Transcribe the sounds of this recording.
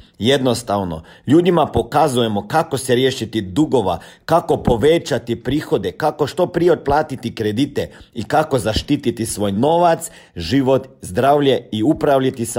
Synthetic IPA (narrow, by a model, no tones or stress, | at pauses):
je̞d̪no̞st̪aʋno̞̰ʎuːd̪imapo̞kazuje̞mo̞kako̞seɾje̞ːʃit̪id̪uɡo̞ʋa̰kako̞po̞ʋe̞t͡ʃat̪ipɾiːxo̞d̪e̞kako̞ʃt̪o̞pɾijeod̪̚plˠaːt̪it̪ikɾed̪it̪eikako̞zaʃt̪it̪it̪isʋo̞ːjno̞ʋat̪s | ʒiːʋo̞t̪zd̪ɾaːʋʎe̞iupɾaʋʎit̪is